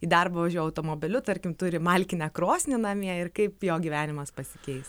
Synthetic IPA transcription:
iːd̪ɐrpɐʋɐʒʲuɔjɛɐʊt̪oːmoːbʲɪlʲʊt̪ɐɾʲkʲɪmt̪ʊɾʲɪmɐlʲkʲɪnʲɛkɾoːsʲnʲɪnɐmʲiɛɪrkɐɪpjoːɡʲiʋʲæːnʲɪmɐspɐsʲɪ̥kʲɛɪs

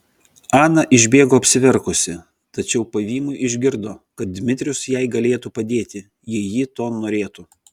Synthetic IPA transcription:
ɑːnɐʔɪʒʲbʲeːɡoːɐpʲsʲɪʋʲɛɾkʊsʲɪ | t̪ɐt͡ʃʲɛʊpɐʋʲiːmʊɪɪʒʲɡʲɪɾd̪oːkɐt̪̚d̪ʲmʲɪt̪ʲɾʲʊsjɛɪɡɐlʲeːt̪uːpɐd̪ʲeːt̪ʲɪ | jiɛjiːt̪oːnoːɾʲeːt̪u

